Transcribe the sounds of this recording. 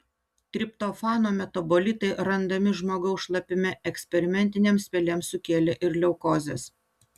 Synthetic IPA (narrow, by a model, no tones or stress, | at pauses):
t̪ʲɾʲɪpt̪ofɑːnoːmʲɛt̪obɔlʲɪt̪ɐɪɾɐnd̪ɐmʲɪʒmoːɡɐʊsʃlˠɐpʲɪmʲɛɛksʲpʲɛɾʲɪmʲɛnʲt̪ʲɪnʲeːmsʲpʲɛlʲemsʊkʲeːlʲɛʔɪɾlʲɛʊkoːzʲeːs